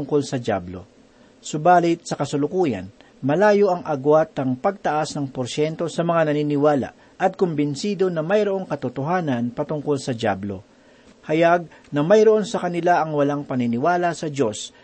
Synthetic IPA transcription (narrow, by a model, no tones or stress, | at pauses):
ʊŋko̞lsɐd͡ʒja̰blo̞̰ | sʊbaːlɪt̪̚sɐkɐsʊlʊkuːjɐ̰n | mɐlaːjoʔɐŋʔɐɡwat̪ːɐŋpɐɡ̚t̪ɐʔasnɐŋpoɾʃɛnt̪o̞sɐmɐŋanɐninɪwaːla̰ | ʔɐt̪̚kʊmbɪnsiːd̪o̞nɐmɐjɾoʔo̞ŋkɐt̪ʊt̪oɦaːnɐnpɐt̪ʊŋko̞lsɐdja̰blo̞̰ | hɐjaɡ̚ | nɐmɐjɾoʔo̞nsɐkɐnɪlaʔɐŋwɐlaŋpɐnɪnɪwaːlɐsɐd͡ʒo̞s